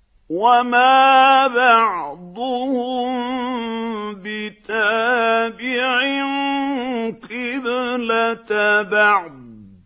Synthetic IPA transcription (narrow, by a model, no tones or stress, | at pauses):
wamaːbɑʕd̪ˤʊhʊ | bɪt̪abɪʕɪn | qɪblat̪bɑʕd̪̚